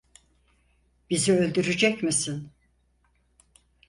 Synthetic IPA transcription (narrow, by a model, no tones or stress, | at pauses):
biziø̞lʲd̪yɾyd͡ʒɛcmisin